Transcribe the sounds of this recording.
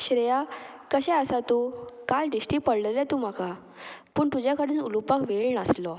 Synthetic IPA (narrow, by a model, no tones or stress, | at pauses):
ɕɾəjakəɕɛ̃əsat̪ukalɖisʈiːpəɽləlɛt̪um̤aka | pəːɳt̪ud͡ʑjakəɽiːnulupakʋeɭnaslɔ